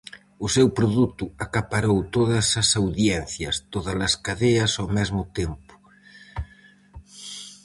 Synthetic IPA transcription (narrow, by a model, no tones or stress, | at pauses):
usewpɾoðut̪uakapaɾowt̪oðɐsasawðjɛnθjɐst̪oðɐlɐskaðeɐsawmɛzmʊt̪empʊ̥